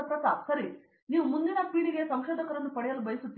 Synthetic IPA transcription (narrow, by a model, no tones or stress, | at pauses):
ɐpɾɐt̪asɐɾi | niːʋumund̪inɐpiːɽiɡe̞sɐmʃod̪ʱɐkɐɾɐnːupɐɽɛjɐlːubɐjsut̪ːi